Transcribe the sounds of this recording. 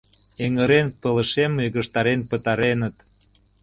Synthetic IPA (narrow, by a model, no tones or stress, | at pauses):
eŋəɾenpələ̆ʃemːeɣə̆ʃt̪ɑɾenpə̆t̪ɑɾenət̪